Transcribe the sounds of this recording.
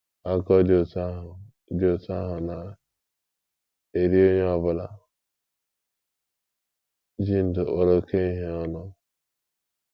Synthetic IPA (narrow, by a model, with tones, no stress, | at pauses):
a˨kɔ˦do˨ta˦ɦʊ˨ | do˨ta˦ɦʊ˨na˨ | e˨ɾi˦o˦ɲe˦ɔ˨bʊ˦la˦ | d͡ʒi˦n̩˨do˨ʔo˨ɾo˨ke˦i˦ɦe˦ɔ˦nʊ˦